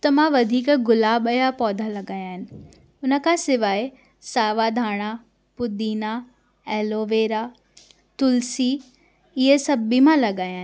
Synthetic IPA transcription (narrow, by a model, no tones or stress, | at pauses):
t̪ɐmãʋɐd̪ʱiːkɡʊlaːbəjapɔːd̪ʱalɐɠaːjaːɦɪnɪ̆ | ʊnə̆kʰãsɪʋaːe | saːʋad̪ʱaːɽ̃a | pʊd̪iːna | ɛːloːʋeːɾa | t̪ʊlsiː | ɪɦesɐbimãlɐɠaːjaːɦ